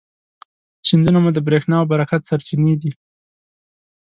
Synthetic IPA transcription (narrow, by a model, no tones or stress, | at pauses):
t͡ʃind̪unamud̪əbɾexnɑwbaɾakat̪saɾt͡ʃined̪i